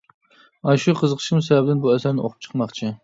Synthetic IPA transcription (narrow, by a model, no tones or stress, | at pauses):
ɑʃuqʰəzəqʰə̥ʃimusɛbɛbɪd̪ɪnbuɛsæɾnɪʔo̰qʰʊp̚t͡ʃʰə̥qmɑχt͡ʃʰɪ